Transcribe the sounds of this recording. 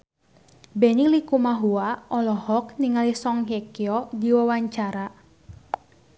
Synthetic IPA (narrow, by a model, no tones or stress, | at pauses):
bɛnilikumaɦuaɔlɔhɔk̚niŋalisɔŋɦɛkiɔdiwawaɲt͡ʃaɾa